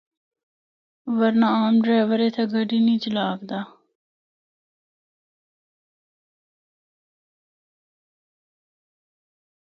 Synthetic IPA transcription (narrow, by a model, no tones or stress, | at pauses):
ʋəɾnaːaːmɖɾeːʋəɾeːt̪ʰeɡəɖiːnĩːt͡ʃəlaːkd̪aː